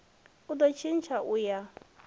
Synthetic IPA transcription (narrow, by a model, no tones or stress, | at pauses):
ʊd̪ɔt͡ʃʰɪnt͡ʃʰaʔʊja